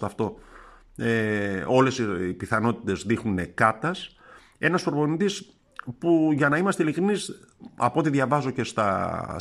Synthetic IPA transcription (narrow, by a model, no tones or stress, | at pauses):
t̪ɐft̪o̞ | eo̞le̞sipiθɐno̞t̪i̥t̪e̞zðixnunekɐt̪ɐs | e̞nɐsfoɾvo̞nid̪is | puʝɐnɐimɐst̪eilikɾinis | ɐ̰po̞t̪iðʝɐvɐzo̞ce̞st̪ɐ